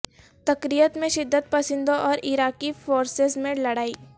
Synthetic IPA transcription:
t̪ɐkɾijət̪mẽʃɪd̪ːət̪̚pɐsɪ̃nd̪õʔɔːɾɪɾaːkifoːɾsɪzmẽlɐɽaːiː

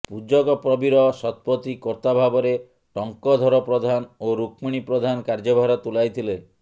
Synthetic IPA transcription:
pud͡ʒɔɡɔpɾɔbiɾɔsɔt̪̚pɾɔt̪ikɔɾt̪abʱabɔɾe | ʈɔŋkɔd̪ʱɔɾɔpɾɔd̪ʱanoɾukmiɽ̃ipɾɔd̪ʱanɔkaɾd͡ʒɔbʱaɾɔt̪ulajt̪ʰile

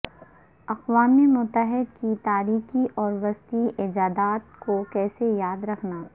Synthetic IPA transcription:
ɐqʋaːmemʊt̪ːəɦɪd̪̚kit̪aːɾiːxiʔɔːɾʋɐst̪iʔɪd͡ʒaːd̪aːt̪̚kokɛːsejaːd̪ɾɐkʰnaː

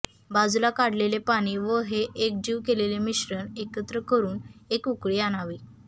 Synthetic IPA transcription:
bad͡zulakaɽ̤lelepaɽ̃iːʋəɦeʔek̚d͡ʑiːʋkelelemiɕɾənekət̪ɾəkəɾuːnekukɭiːaɽ̃aʋiː

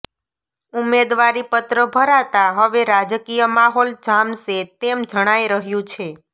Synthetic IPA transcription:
umed̪ʋaɾipət̪ɾəbʱəɾat̪aɦəʋeɾad͡ʒkijəmaɦold͡ʒamʃet̪emd͡ʒəɽ̃aiɾəɦjũt͡ʃʰe

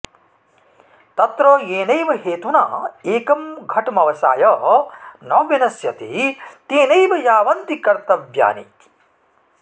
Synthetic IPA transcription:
t̪ɐt̪ɾoːeːnɐjʋɐɦeːt̪unaːeːkɐmɡʱɐʈɐmɐʋɐsa̰ːjɐ | nɐːʋinɐsjɐt̪it̪eːnɐjʋɐjaːʋɐnt̪ikɐɾt̪ɐʋja̰ːnḭt̪i̥

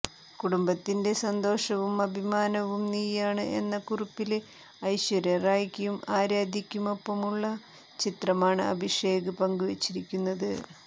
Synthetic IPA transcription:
kuɽumbɐt̪ːinde̞sɐnd̪o̞ːʂɐʋumɐbʱimaːnɐʋumniːjaːɳɨʔe̞̰nːɐkuripːil | ɐjɕʋɐɾɐraːjkʲːɐjumaːɾaːd̪ʱikʲːumo̞pːɐmuɭːɐ | t͡ɕit̪rɐmaːɳɨɐ̰bʱiʂe̞ːɡɨpɐŋɡuʋet͡ɕːiɾikʲːunːɐðɨ

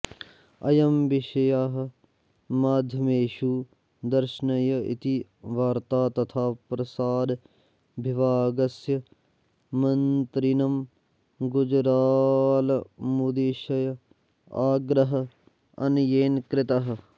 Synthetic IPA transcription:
ɐ̰jɐmʋɪʃɐjaːɦɐ | maːd̪ʱjɐmeːʃuː | d̪ɐɾʃnɐjɐḭt̪iʋaːɾt̪aːt̪ɐt̪ʰaːpɾɐsaːd̪ | bʱiʋaːɡɐsjɐ | mɐnt̪ɾinɐm | ɡʊd͡ʒɾaːlɐmud̪iʃɐjɐ | aːɡɾɐɦɐ̆ | ɐ̰njeːnkɾɪt̪ɐɦɐ̆

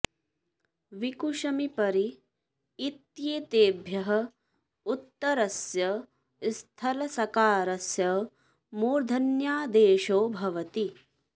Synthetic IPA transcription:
ʋikuʃɐmipɐɾiː | t̪jeːt̪eːbʱjɐɦɐ̆ | ut̪ːɐɾɐsjɐ | st̪ʰɐlɐsɐkaːɾɐsjɐ | muːɾd̪ʱɐnjaːd̪eːʃoːbʱɐʋɐt̪i

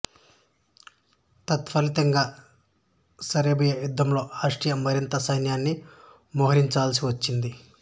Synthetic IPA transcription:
t̪ɐt̪fɐlit̪ɐŋɡaː | sɐɾeːbɐjɐjud̪ʱːɐmlo̞ːaːʂʈɾijɐmːɐɾint̪ɐsɐjnjaːnːi | mɔːɦɐɾiɲt͡ʃaːls̬iʋɐt͡ʃːind̪i

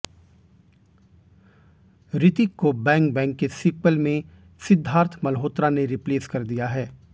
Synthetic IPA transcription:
ɾɪt̪ikːobɛ̃ːŋk̚bɛ̃ːŋkːesɪkwəlmẽ | sɪd̪ʱːaːɾt̪ʰmɐlɦoːt̪ɾaneɾɪpleːskɐɾd̪ijaɦɛː

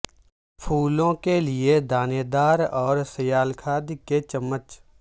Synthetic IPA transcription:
pʰuːlõkelɪed̪aːneːd̪aːɾɔːɾsəjaːlkʰaːd̪ket͡ʃəmːət͡ʃ

